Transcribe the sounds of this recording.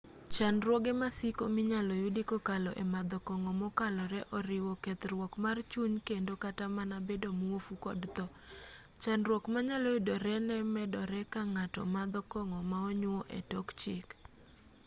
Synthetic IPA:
t͡ʃanɾwɔɡɛmasikomɪɲalɔjudikɔkalɔ̰ʔɛmad̪ɔkɔŋɔmɔkalɔɾɛʔɔɾɪwɔkɛt̪rwɔkmart͡ʃuɲkendokatamanabedomofukɔ̰dt̪ɔ | t͡ʃanrwɔkmaɲalɔjʊdɔɾɛnɛmɛdɔɾɛkaŋatɔ̰mad̪ɔkɔŋɔmaɔɲʊɔʔɛ̰tɔkt͡ʃɪk

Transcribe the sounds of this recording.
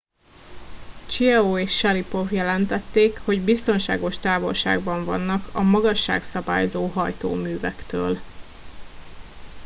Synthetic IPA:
t͡ʃiɛoːeːʃːɛɾipo̞vjɛlɛnt̪ɛt̪ːeːkho̞ɟbist̪o̞nʃa̰ːɡo̞lʃt̪aːvo̞lʃa̰ːɡbɒɱvɒ̰nːɒkʰɒmɒɡɒʃːa̰ːksɒba̰ːjzoːɦɒjt̪o̰ːmyːvɛkt̪ø̰ːl

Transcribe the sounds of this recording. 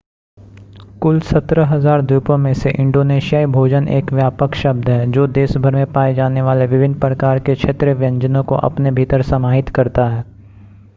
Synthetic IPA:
kʊlsɐt̪ɾəɦɐzaːɾd̪juːpõmẽseʔɪ̃ɳɖoːneːʃijaːibʱoːd͡ʒənḛːkʋjaːpəkʃɐb̚d̪ʱɦɛːd͡ʒoːd̪eːʃbʱəɾmẽpaːed͡ʒaːneʋaːleʋɪʋɪnːpɾəkaːɾkekʃʰeːt̪ɾəʋjɐ̃ɲd͡ʒənõko̰ʔɐ̰pnebʱit̪əɾsɐmaːɦɪt̪kɐɾt̪aɦɛː

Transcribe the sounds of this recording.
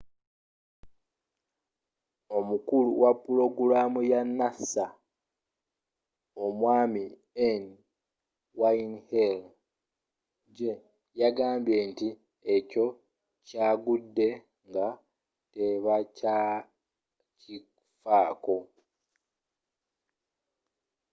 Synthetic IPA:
o̞mukuluwapːulo̞ɡulaːmujanːasa | o̞mwaːmi | en | wainhel | ɟe | jaɡaːmbje̞nti | eco̞ | caːɡudːe̞ | ŋɡa | te̞βaca | ci | faːko̞

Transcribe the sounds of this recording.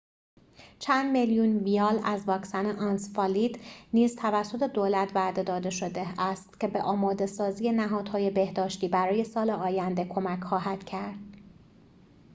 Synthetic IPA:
t͡ʃʰænd̪meljunviɒːlæzvɒːksæneʔɒnsfɒlid̪niːzt̪ʰævæsːo̞t̪ʰe̞d̪oːlæt̪ʰvæd̪e̞d̪ɒːd̪e̞ʃo̞d̪eæst̪cʰe̞be̞ʔɒːmɒːd̪e̞sɒːziːje̞næɦɒːd̪̥hɒːje̞be̞hd̪ɒːʃt̪iːbæɾɒːje̞sɒːleɒːjænd̪e̞kʰo̞mæcʰxɒːɦæd̪̥cʰæɾd̪̥̚

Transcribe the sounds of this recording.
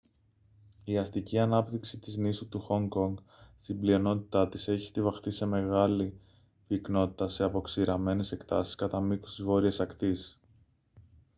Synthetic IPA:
iɐst̪iciɐnɐpt̪iksit̪iznisut̪uxo̞ŋɡo̞ŋɡ | st̪imblio̞no̞t̪i̥t̪ɐt̪ise̞çi̥st̪ivɐxt̪ise̞me̞ɣɐli | pikno̞t̪i̥t̪ɐse̞ɐpo̞ksiɾɐme̞ne̞se̞kt̪ɐsi̥skɐt̪ɐmiku̥st̪izvo̞ɾiesɐkt̪is

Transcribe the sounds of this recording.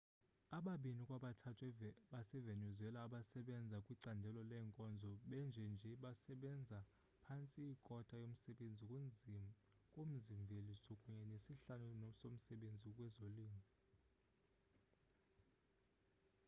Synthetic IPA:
aɓaɓinikʼwaɓatʰatʰwɛɓasɛvenuzɛlaːɓasɛɓɛnd͡zʱakʼwiǀandʱɛlɔlɛːŋkʼɔnd͡zʱɔɓɛnd͡ʒʱɛnd͡ʒʱɛɓasɛɓɛnd͡zʱa | pʰant͡sʼiːkʼɔtʼajom̩sɛɓend͡zʱi | kʼom̩ziɱvʱelisɔkʼuɲɛnesiɬanunsom̩sɛɓend͡zʱikʼwɛzoliːmʱi

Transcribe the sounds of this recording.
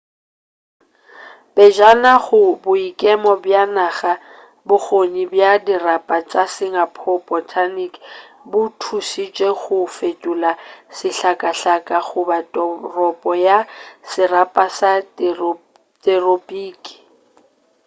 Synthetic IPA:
bɛd͡ʒanaɣʊbʊikʼɛmɔbjanaχa | bʊk͡xoɲibjadirapʼat͡ʃʼasɪŋapʰɔpʼɔtʰanik | bʊtʰusit͡ʃʼeɣʊfetʼulasɪɬakʼaɬakʼaχʊbatʼɔrɔpʼɔjasɪrapʼasa | tʼɛropʼiːkʼi̥

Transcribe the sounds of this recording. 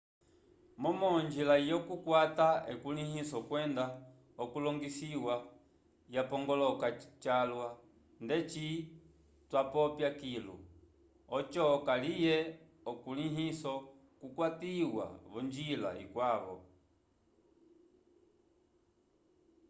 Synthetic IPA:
mɔmɔnd͡ʒilaijɔkukwataɛkulihisɔkwɛnda | ɔkulɔŋɡisiwa | japɔŋɡɔlɔkat͡ʃalwa | ndɛt͡ʃi | twapɔpjakilṵ | ɔt͡ʃɔkalijɛ | ɔkuliɦisɔ | kukwatiwa̰βɔɲd͡ʒila̰ḭkwaβɔ̰

